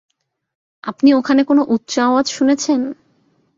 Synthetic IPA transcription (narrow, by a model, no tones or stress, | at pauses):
apniokʰanekonoʔutːɕaad̪ʃunet͡ɕʰen